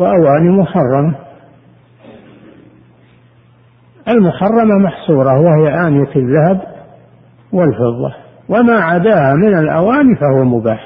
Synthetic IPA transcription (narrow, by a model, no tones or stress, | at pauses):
waʔawaːnimʊħɑrˤːɑma | ʔalmʊħɑrˤːɑmamaħsuːɾˤɑwahɪjaʔaːnɪjafɪðːahab | wɪlfɪðˤːɑ̰ | wamaːʕad̪aːhamɪnalʔa̰waːnifahʊwamʊbaːħ